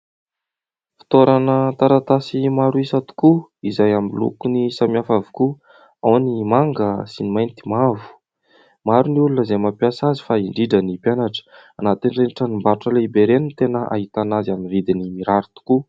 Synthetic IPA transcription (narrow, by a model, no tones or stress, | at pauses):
fi̥t̪oɾanət̪aɾat̪asimaɾuisat̪u̥kuizajamilṵkunisamiafavuku | awnimaŋɡəsinimajnt̪i̥mavu̥ | maɾuniulunəzejmapjasazi̥faiɳɖ͡ʐiɖ͡ʐənipjanaʈ͡ʂə̥ | anat̪inreniʈ͡ʂanimbaɾuʈ͡ʂəleibeɾenint̪enəʔa̰ɦit̪anazanivid̪inimiɾaɾit̪u̥ku